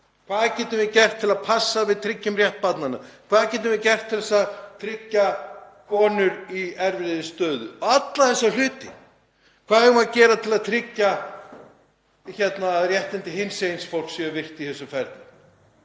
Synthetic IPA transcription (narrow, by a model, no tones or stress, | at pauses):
kʰvaːðcɛːt̪ʏmvɪcɛr̥t̪ʰːɪlaðpʰasːavɪðt̪ʰɾɪcːʏmrjɛht̪̚pat̪nana̰kʰvaːðcɛːt̪̬ʏmvɪcɛr̥t̪ʰːɪlɛsat̪ʰɾɪcːakʰɔːnʏɾiɛɾvɪðɪst̪œːðʏ̰ɔat̪laðθɛsːal̥ʏːt̪ɪ | kʰvaːðɛɣʏmaðcɛːɾat̪ʰɪlaðt̪ʰɾɪcːa | çɛt̪narjɛht̪ɪnt̪ɪɦɪnsejnsfowl̥ksɛʏvɪr̥t̪iθɛsʏmfɛɾt̪nʏm